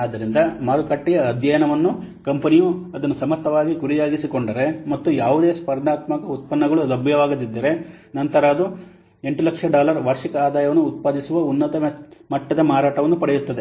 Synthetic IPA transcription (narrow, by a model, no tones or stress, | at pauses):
aːd̪ːɐɾind̪ɐmaːɾukɐʈːijɐːd̪jɐjɐnɐʋɐnːukɐmpɐnijuɐd̪ɐnːusɐmɐt̪ːɐʋaːɡiɡuɾijaːɡisiko̞ɳɖɐɾe̞mɐt̪ːujaːʋud̪e̞ːspɐɾnaːt̪mɐkɐut̪̚pɐnːɐɡɐɭuɐd̪ɐbjɐʋaːɡɐd̪id̪ːɐɾenɐnt̪ɐɾɐːd̪u | e̞ɳʈulɐkʂɐɖaːlɐɾʋɐɾʂikɐaːd̪aːjɐʋɐnːuːt̪̚paːd̪isuʋɐunːɐt̪ɐmɐʈːɐd̪ɐmaːɾaːʈɐʋɐnːupɐɽejut̪ːɐd̪e̞